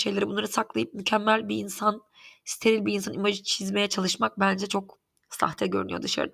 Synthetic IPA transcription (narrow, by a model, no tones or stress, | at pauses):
ʃe̞jlʲeɾibunˠaɾɯsaklˠajɯp̚mycʰæmːælʲbiinsan | si̥t̪ʰe̞ɾilʲbiɾinsanimaʒɯt͡ʃʰizme̞jɛt͡ʃʰalˠɯʃmak̚bænd͡ʒɛt͡ʃʰo̞k | sa̰xt̪ʰɛɟø̞ɾynyjod̪ɯʃa̰ɾɯd̪a